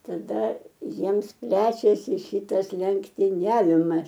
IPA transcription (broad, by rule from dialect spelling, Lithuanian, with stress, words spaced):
tɐˈdɐ ˈjiɛms ˈpʲlʲæːt͡ʃʲɛsʲɪ ˈʃʲiːtɐs lʲɛŋktʲɪˈnʲæːʋʲɪmɐs